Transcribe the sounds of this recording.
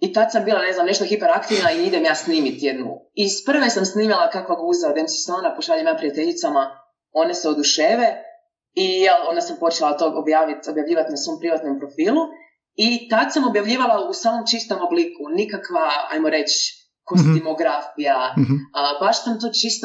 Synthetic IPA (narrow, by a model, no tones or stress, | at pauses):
it̪ad̪sambiːlane̞znamne̞ʃt̪oxipeɾakt̪iʋnaiid̪emjaːsniːmit̪jed̪nṵispr̩ʋesamsniːmilakakʋaɡuːzaod̪emse̥samonapoʃaːʎemjaːpɾijat̪eʎit̪sama | o̞neseod̪uʃeːʋe | ijɛlo̞ːnd̪asampo̞t͡ʃelat̪oobjaːʋit̪o̞bjaʋʎʲiːʋat̪naso̞mpɾiʋat̪no̞mpɾo̞fiːlˠu | it̪ad̪samo̞bjaʋʎiːʋalˠausaːmo̞mt͡ʃist̪o̞moblikunikakʋaa̰jmoɾet͡ʃ | ko̞st̪imo̞ɡɾafija | baʃsamt̪ot͡ʃist̪